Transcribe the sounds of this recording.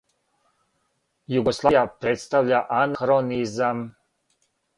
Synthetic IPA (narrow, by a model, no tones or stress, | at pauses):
juɡoslˠajapɾet̪st̪avʎaʔanaxɾonizam